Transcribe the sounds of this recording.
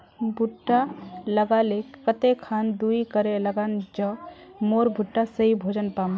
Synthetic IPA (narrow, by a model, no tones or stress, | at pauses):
bʱuʈːaləɡalekət̪ekʰand̪uikəɾeləɡand͡ʒə̃ | moɾbʱuʈːasəɦibʱod͡ʒənpam